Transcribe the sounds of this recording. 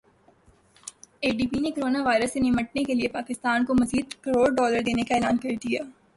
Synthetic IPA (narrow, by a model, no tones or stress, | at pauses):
eːɖiːpinekoɾoːnaʋaːɪɾəsːenɪməʈ̚nekeliepaːkɪst̪aːnkomɐziːd̪kɐɾoːɽɖɔːləɾd̪eːnekaeːlaːnkɐɾd̪ijaː